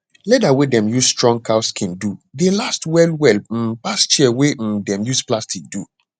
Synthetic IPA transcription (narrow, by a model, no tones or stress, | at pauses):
lɛdawedɛ̃mjusstɹɔ̃ŋɡkʰaʊskʰĩndudelastwɛlwɛl̩past͡ʃiɛwedɛ̃mjusplastik̚du